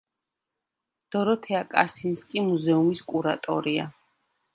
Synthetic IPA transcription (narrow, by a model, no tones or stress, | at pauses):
d̪̥ɔɾɔt̪ʰɛakʼa̰sinskʼimuzɛumiskʼuɾat̪ʼɔ̰ɾia̰